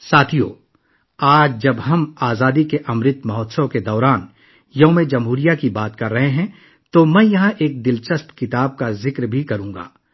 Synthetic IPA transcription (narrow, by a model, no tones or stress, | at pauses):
saːt̪ʰijo̰ː | aːd͡ʒd͡ʒɐbɦɐmaːzaːd̪ikeʔɐmɾɪt̪mɐɦɔːt̪səked̪ɔːɾaːn | jɐɦmẽd͡ʒɐmɦuːɾijakibaːt̪kɐɾːɐɦeɦɛ̃ | t̪omɛ̃ːjɐɦãʔeːk̚d̪ɪlt͡ʃəst̪kɪt̪aːb̚kazɪkɾbʱikɐɾũːŋɡa̰ː